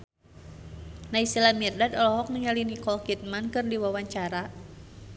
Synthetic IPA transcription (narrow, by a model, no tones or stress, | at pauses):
naisilamirdad̪ɔlɔɦɔk̚nəŋalinikɔlkit̪̚mankɨrdiwawaɲt͡ʃaɾa